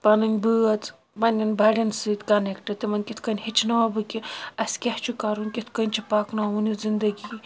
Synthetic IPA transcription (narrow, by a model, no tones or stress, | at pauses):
pɐnɨŋʲbɨɐt̪ | mɐnʲɐnbɐɽʲinsɨt̪ʲkɐnekʈɐd̪̚t̪imɐnkʲit̪ʰkɐnʲhit͡ʃʰnɐɐbɨkiɐsʲkʲɐht͡ʃʰukɐɾunʲkʲit̪ʰkɐnʲt͡ʃʰipaːknaunizind̪ɐɡi